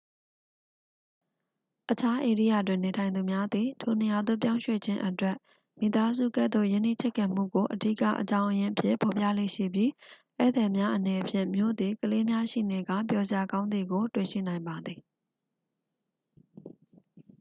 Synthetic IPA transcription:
ʔət͡ɕʰa˦ʔe˨ɾḭ˦˨ja̰˦˨twɪ̃˨ne˨tʰã˨ɪ̃nd̪u˨mja˦d̪ði˨tʰo˨nə˨ja˨d̪ʊ̰˦˨pjã˦ʊ̃ʃwḛ˦˨d͡ʑɪ̃˦ʔətwɛ˦˨ʔ | mḭ˨t̪a˦zṵ˦˨kɛ̰˦d̪o̰˦˨jɪ̃˦˨nḭ˦˨t͡ɕʰɛ˦˨kːã˨m̥ṵ˦˨ɡo˨ʔədḭ˦ka̰˦˨ʔət͡ɕã˦ʊ̃ʔəjɪ̃˦ʔəpʰjɪ̰̃˦˨mpɔ˨pja̰˦˨lḛ˦˨ʃḭ˦˨bji˦ | ʔɛ̰˦˨d̪ɛ˨mja˦ʔənɛ˨pʰjɪ̰̃˦˨mjo̰˦˨d̪ði˨kəle˦mja˦ʃḭ˦˨ne˨ɡa̰˦˨p̬jɔ˨zɪ˨ja˨ɡã˦ʊ̃nd̪i˨ɡo˨twḛ˦˨ʃḭ˦˨nã˨ɪ̃mba˨d̪ði˨

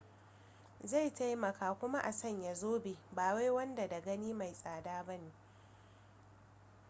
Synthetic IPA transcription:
za˦˨jta˦jmɐ˨kaː˨kʷʊ˦ma˦ʔa˨sɐ˦˨ɲja˨zoː˦beː˨baː˨wa˦jwɐ˦nda˨da˨ɡɐ˦niː˦ma˨jsʼaː˨daː˦ba˦neː˨

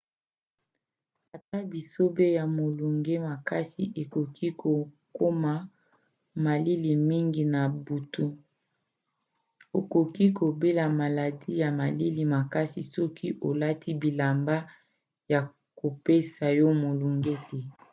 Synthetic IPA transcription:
a˨ta˦bi˨so˦be˦ja˨mo˨lu˨ŋɡe˦ma˨ka˦si˨ʔe˨ko˨kʰi˦ko˨ko˦ma˨ | ma˨li˦li˨mi˦ŋɡi˨na˨bu˨tu˦ | o˨ko˨ki˦ko˨be˦la˨ma˨la˨di˦ja˨ma˨li˦li˨ma˨ka˦si˨sɔ˦kʰi˦ʔo˨la˦ti˦bi˨la˨mba˦ | ja˨ | ko˨pe˦sa˨jɔ˦mo˨lu˨ŋɡe˦tɛ˦

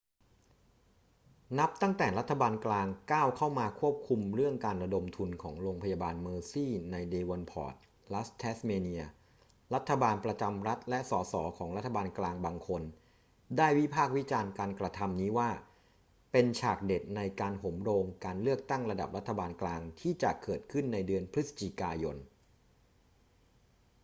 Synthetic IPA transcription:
na˦˥p̚t̪a˥˩ŋt̪ɛː˨˩ɾa˦˥t̪ʰːa˧baː˧nklaː˧ŋkaː˥˩wkʰa˥˩wmaː˧kʰu˥˩əp̚kʰu˧mɾɯ˥˩əŋkaː˧nɾa˧do˧mt̪ʰu˧nkʰɔ̰ː˩˦ŋɾoː˧ŋpʰa˧jaː˧baː˧nmɤː˧siː˥˩na˧jdeː˧wɔ˧npʰɔ̰ː˨˩t̪̚ | la˦˥st̪ʰɛː˦˥smeː˧ni˧ɐ | ɾa˦˥t̪ʰːa˧baː˧npɾa˧t͡ɕa˧mɾa˦˥t̪̚lɛ˦˥ʔsɔː˩˦sɔ̰ː˩˦kʰɔː˩˦ŋɾa˦˥t̪ʰːa˧baː˧nklaː˧ŋbaː˧ŋkʰo˧n | daː˥˩jwi˦˥pʰaː˥˩k̚wi˦˥t͡ɕaː˧nkaː˧nkɾa˧t̪ʰa˧mniː˦˥waː˥˩ | pe˧nt͡ɕʰaː˨˩k̚de˨˩t̪̚na˧jkaː˧nɦo˩˦mɾoː˧ŋkaː˧nlɯ˥˩ək̚t̪a˥˩ŋɾa˧da˨˩p̚ɾa˦˥t̪ʰːa˧baː˧nklaː˧ŋt̪ʰiː˥˩t͡ɕa̰˨˩ʔkɤː˨˩t̪̚kʰɯ˥˩nːa˧jdɯ˧ənpʰɾi˦˥sḁ˧t͡ɕi˨˩kaː˧jo˧n

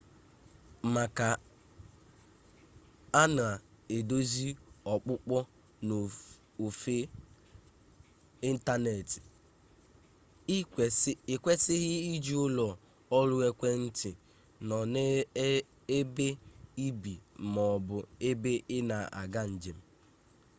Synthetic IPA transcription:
ma˨ka˨ | a˦n˨a˨ | e˨do˦zi˦ɔ˨k͡pʊ˦k͡pɔ˦ | n˨ | o˨fe˦ | i˦n̩˦ta˦ne˨tɪ̥˨˦˨ | ɪ˨kʷe˦sɪ˦ɣɪ˦i˦d͡ʒi˨˦ʊ˦lɔ˨ | ɔ˦lʊ˦e˦kʷe˦n̩˦tɪ˨ | nɔ˨n˦ | e˦be˦i˦bi˨mɔ˨bʊ˨e˦be˦ʔɪ˦na˨a̰˨ɡa˦n̩˨d͡ʒe˨m̩˨

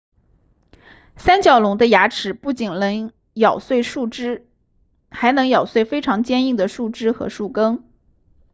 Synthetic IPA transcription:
sa˥nt͡ɕjɑ˨˩ʊlʊ˧˥ŋd̪ə˧ja˧˥ʈ͡ʂʰɻ̩˨˩pu˥˩t͡ɕi˨˩nlɤ˧˥ŋ | jɑ˨˩ʊswe˥˧ɪʂu˥˩ʈ͡ʂɻ̩˥ | xa˧˥ɪnɤ˧˥ŋjɑ˨˩ʊswe˥˩ɪfe˥ɪʈ͡ʂʰɑ˧˥ŋt͡ɕjɛ˥˧ni˥˩ŋd̪ə˩ʂu˥˩ʈ͡ʂɻ̩˥xɤ̰˧˥ʂu˥˩kɤ˥ŋ

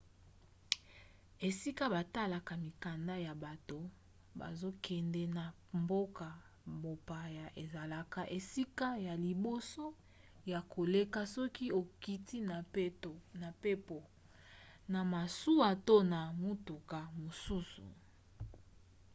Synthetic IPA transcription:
e˨si˦ka˦ba˨ta˦la˨ka˨mi˨ka˨nda˦ja˨ba˨to˨ | ba̰˨zo˦kɛ˨ndɛ˦na˨ | mbo˦ka˨ | bo˨pa˨ja˨ʔe˨za˨la˨ka˨ʔe˨si˦ka˦ja˨li˨bo˦so˦ | ja˨kʰo˨le˦ka˦sɔ˦ki˦o˨ki˦ti˦na˨˦˨na˨pe˦po˨ | na˨ma˨su˦a˨to˦na˨mu˦tu˨ka˨mo˨su˦sṵ˨

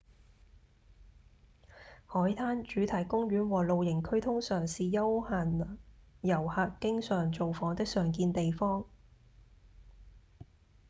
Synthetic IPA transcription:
hɔː˨˥jt̪ʰaː˥nt͡ʃyː˨˧˥t̪ʰɐ˨˩jkʊ˥ŋɥyː˨˥nwɔː˨˩lo˨wjɪ˨˩ŋkʰɵ˥ɥt̪ʰʊ˥ŋsœː˨ŋsiː˨jɐ˥whaː˨n˨jɐ˨˩whaː˧kkɪ˥ŋsœː˨˩ŋt͡so˨wfɔː˨˥ŋt̪ɪ˥k̚sœː˨ŋkiː˧nt̪e˨jfɔː˥ŋ

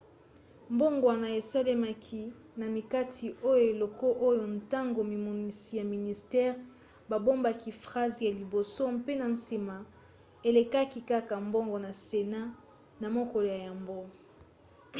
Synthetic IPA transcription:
mbo˦ŋɡwa˨na˨e˨se˦le˦ma˨kʰi˦ | na˨mi˨ka˦tʰi˨ʔo˦jo˨e˨lo˨ko˦ʔo˦jo˨n˨ta˦ŋɡo˨mi˨mo˨ni˨si˨ja˨mi˨ni˨stɛ˦ʁ | ba˨bo˦mba˨ki˨fʁa˦zja˨li˨bo˨so˦mpe˦na˨n̩˨si˨ma˨ | e˨le˨ka˦ki˨ka˦ka˨mbo˦ŋɡo˨na˨se˨na˦ | na˨mo˦ko˨lo˨ja˨ja˨mbo˦

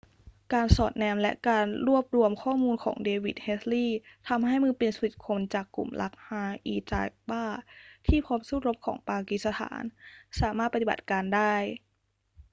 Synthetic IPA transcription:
kaː˧nsɔː˨˩t̪̚nɛː˧mlɛ̰˦˥ʔkaː˧nɾu˥˩əp̚ɾu˧əmkʰɔː˥˩muː˧nkʰɔ̰ː˩˦ŋdeː˧wi˨˩t̪̚he˦˥t̪liː˥˩t̪ʰa˧mɦa˥˩jmɯː˧˥˩pe˧nsu˧wi˨˩t̪̚kʰo˧nt͡ɕaː˨˩kːṵ˨˩mlʔa̰˦˥k̚haː˧ʔiː˧t͡ɕa̰ː˧k̚baː˥˩t̪ʰiː˥˩pʰɔː˦˥msuː˥˩ɾo˦˥p̚kʰɔ̰ː˩˦ŋpaː˧ki˨˧˩t̪̚sa˧t̪ʰa̰ː˩˦nsaː˩˦maː˥˩t̪̚pa˧i˨ba̰˨˩t̪̚kaː˧ndaː˥˩j

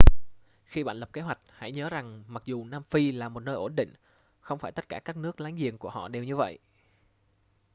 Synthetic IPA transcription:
xi˧ɓa̰ː˧˨nlə˨˩p̚ke˨˦ɦwa˨˩jk̟̚ha̰˧˥jɲəː˨˦za˨˩ŋma˨˩k̚zu˨˩naː˧mfi˧laː˨˩mo˨˩t̚nəː˧jʔo˧˩nɗḭ̈˧˨ŋ̟ | xə˧wŋ͡mfaː˧˩t̪ə˦˥t̚kaː˧˩kaː˦˥k̚nɨ˦˥ək̚laː˨˦ŋzḭ˨ənku˧˩əhɔ̰˧˨ɗe˨˩wɲɨ˧və̰˧˨jʔ

